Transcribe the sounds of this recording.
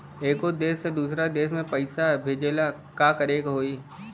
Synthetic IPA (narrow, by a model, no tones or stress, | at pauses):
eːkod̪eːsːed̪uːsɾad̪eːs̬mẽpəɪsabʱeːd͡ʒeːla | kaːkəɾeːkɦoːi